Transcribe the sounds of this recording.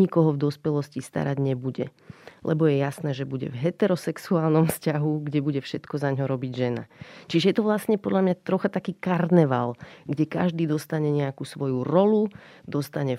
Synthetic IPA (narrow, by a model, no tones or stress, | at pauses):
ikɔɦɔvd̪ɔspɛlɔscist̪a̰ɾaɟɲɛbuɟɛ̰ | lɛbɔjɛjasnɛːʒɛbuɟɛ̰vɦɛt̪ɛɾɔsɛksuaːlnɔmfscaɦuɡɟɛbuɟɛfʃɛt̪kɔzaɲɦɔɾɔbiɟʒɛna̰t͡ʃiʒɛjɛt̪ɔʋlasɲɛpɔd̪ʎamɲat̪ɾɔxat̪akiːkaɾnɛʋalɡɟɛkaʒd̪iːd̪ɔst̪aɲɛɲɛakuːsʋɔjuɾɔlud̪ɔst̪aɲɛ